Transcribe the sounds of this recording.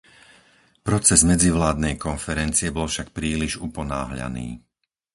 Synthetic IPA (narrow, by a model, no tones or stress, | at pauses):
pɾɔt͡sɛzmɛd͡ziʋlaːd̪nɛjkɔnfɛɾɛnt͡siɛbɔlfʃak̚pɾiːliʒupɔna̰ːɦʎa̰nḭː